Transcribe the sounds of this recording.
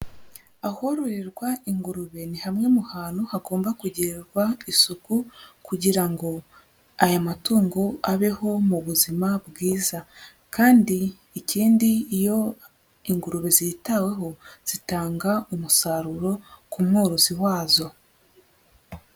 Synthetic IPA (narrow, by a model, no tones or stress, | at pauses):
aho̞ɾoɾiɾɡwaiŋɡuɾuβe̞nihamŋe̞muhaːnuhaɡo̞ːmbakuɟiɾeɾɡwaisukukuɟiɾaŋɡo̞ | ajamatuːŋɡoaβe̞ho̞muβuzimabɡiːza | kaːndiː | ciːndiːjo̞ | iŋɡuɾuβe̞zitawe̞ɦo̞z̥itaːŋɡaumusaɾuɾo̞kumŋoːɾoziwaːzo̞